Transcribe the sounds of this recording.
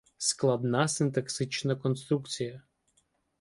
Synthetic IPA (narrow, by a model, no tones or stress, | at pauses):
sklˠɐd̪nɑsɪnt̪ɐksɪt͡ʃnɐkɔnst̪ɾukt͡sʲijɐ